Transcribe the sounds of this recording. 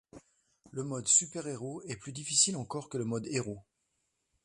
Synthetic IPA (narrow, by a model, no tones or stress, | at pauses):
ləmɔd̪sypɛʁeʁoɛplyd̪ifisilɑ̃kɔʁkələmɔd̪eʁo